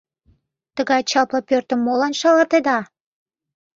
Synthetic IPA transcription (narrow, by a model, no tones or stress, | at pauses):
t̪əɣɑjt͡ɕɑplɑpørt̪ə̆mːolɑnʃɑlɑt̪ed̪ɑ